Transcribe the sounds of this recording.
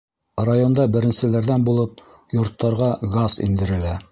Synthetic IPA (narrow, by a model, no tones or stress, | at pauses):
rajond̪ɑbɘ̆ɾɘ̆nsɘ̆læɾðænbulˠɤp̚ | jŏɾt̪ːɑɾʁɑɡɑzḭnd̪ɘ̆ɾɘ̆læ